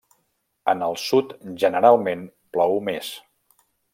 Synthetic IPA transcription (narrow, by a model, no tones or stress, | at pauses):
ənəlˠsut̪ʒənəɾalˠmen | plɔwumes